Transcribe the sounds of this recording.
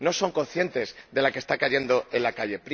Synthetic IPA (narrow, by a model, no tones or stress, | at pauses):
no̞so̞ŋko̞nθje̞nt̪e̞zðe̞lake̞st̪akaʝe̞nd̪o̞e̞lakaʝe̞pɾ